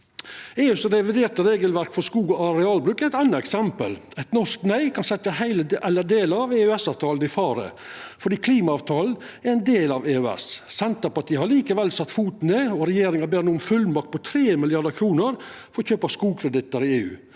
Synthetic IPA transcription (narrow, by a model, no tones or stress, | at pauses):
eːʉːsɾɛʋɪd̪eːʈ̪əɾeːɡəlʋæɾkfɔʂkuːɡɔɑɾɛɑːlbɾʉːkæɾɛɪt̪ɑnːəɛksɛmpəlɛt̪nɔʂknœɪkʰɑnsɛt̪ːəhæɪləɛləd̪eːləɾɑʋeʉɛsɑːʋt̪ʰɑːln̩ɪfɑːɾə̰fɔɖiːkʰliːmɑɑːʋt̪ʰɑːln̩ | æɾɛɪnd̪eːlɑʋeːʉɛ̰ssɛnt̪əɾpɑʈ̪ʰiːəhɑɭiːkəʋɛlsɑt̪ːfuːt̪n̩eɔɾɛjeːɾɪŋɑbæːɾnuːənfʉlmɑk̚t̪pɔt̪ʰɾeːmɪlɪjɑɖəkʰɾuːnəɾ | fɔɾɔçøːpɑskuːkʰɾɛd̪ɪt̪əɾɪeːʉ̰ː